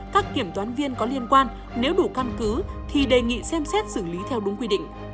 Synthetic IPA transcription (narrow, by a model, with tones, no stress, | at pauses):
kaː˦˥k̚kːi˧˩əmt̪waː˨˦nvi˧ənkɔ˨˦li˧ənkwaː˧n | ne˨˦wɗu˧˩ka˧mkɨ˨˦t̪ʰi˨˩ɗe˨˩ŋḭ˧˨sɛ˧msɛ˦˥t̚sɨ˧˩li˨˦t̪ʰɛ˧wɗʊ˨˦ŋ͡mkwi˧ɗḭ̈˧˨ŋ̟